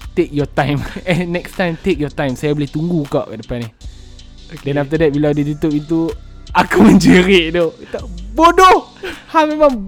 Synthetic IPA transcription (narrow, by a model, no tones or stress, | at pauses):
t̪ek̚jɔt̪ãjmɛ̃nːɛkst̪ãjmt̪ek̚jɔt̪ãjmsajaboliht̪uŋɡukaʔkaʔdəpani | dɛ̃naft̪ədɛt̚bilawdidit̪opit̪̬u | akamə̃nd͡ʒəɾeʔdot̪abodɔh | hamemãm